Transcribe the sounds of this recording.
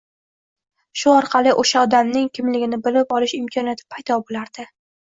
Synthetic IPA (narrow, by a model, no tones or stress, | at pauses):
ʃʊɒɾqʰɑlˠɪʔoʃaɒd̪amnɪŋkʲʰɪmlɪɡʲɪnɪbɪlɪpɒlɪʃɪmkʰɒnjat̪ʰɪ̥pʰajd̪ɒbolaɾd̪̥ɪ